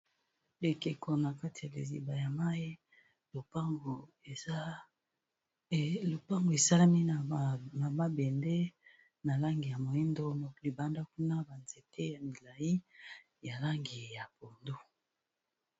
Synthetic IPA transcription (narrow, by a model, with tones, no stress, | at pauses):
le˨ke˨ko˨na˨ka˦ti˨ja˨lḛ˨zḭ˨ba˨ja˨ma˦i˦ | lo˨pa˦ŋɡo˨˦ | lo˨pa˦ŋɡo˨e˨sa˦la˦mi˦˨na˨ma˦be˨nde˦ | na˨la˦ŋɡi˨ja˨mo˨ji˦ndo˦no˨li˨ba˨nda˦ku˦na˦ba˨nze˨te˦ja˨mi˨la˨i˦ | ja˨la˦ŋɡi˨ja˨bo˨ndo˦